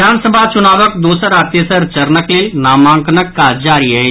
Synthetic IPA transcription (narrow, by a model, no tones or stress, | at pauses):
aːnsəbʱat͡ʃʊnaːʋək̚d̪oːsəɾaːt̪jəsəɾt͡ʃɐɾnəklenaːmãːŋknəkːad͡ʒaːɾiɦɛː